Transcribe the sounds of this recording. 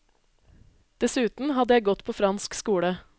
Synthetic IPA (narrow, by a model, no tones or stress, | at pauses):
d̪̥ɛsʉːt̪n̩hɑd̪əjæɪɡɔt̪pʰoːfɾɑnskskuːɽə